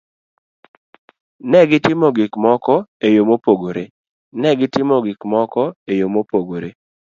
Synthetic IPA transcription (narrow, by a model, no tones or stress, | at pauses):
nɛɡɪtɪmɔɡɪkmɔkɔejomopoɡoɾe | nɛɡɪtɪmɔɡɪkmɔkɔejomopoɡoɾe